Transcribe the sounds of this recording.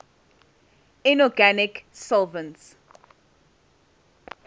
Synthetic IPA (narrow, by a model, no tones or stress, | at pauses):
ɛnɔɡanɪksɔlˠvə̃nts